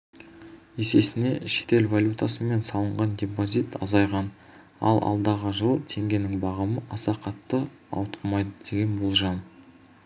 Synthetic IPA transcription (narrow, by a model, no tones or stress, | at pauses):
e̞se̞sɪne̞ʃe̥t̪e̞lvalʲjut̪asəme̞nsɑlˠəɴʁɑndʲepozit̪ɑzɑjʁɑn | ɑ̰lˠʔɑ̰lˠd̪ɑʁəʒəlˠt̪ʰe̞ŋɡʲe̞nɪŋbɑʁɑməʔɑsɑqʰɑt̪ːə | ɑ̰wt̪qəmɑjd̪əd̪e̞ɡʲe̞nbo̞lˠʒɑn